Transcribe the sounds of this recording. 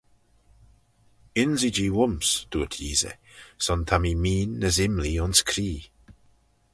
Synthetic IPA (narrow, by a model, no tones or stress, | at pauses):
ɪnzid͡ʒiːwʊmsd̥̪uːətʰiːzə̰ | sɔnt̪ʰamimiːnːəzɪmliʊnskʰɾiː